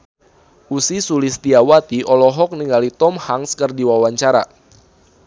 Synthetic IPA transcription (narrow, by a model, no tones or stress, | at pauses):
ʔusisulist̪iawat̪iʔɔlɔɦɔk̚niŋɡalit̪ɔmhaŋskərdiwawaɲt͡ʃaɾa̰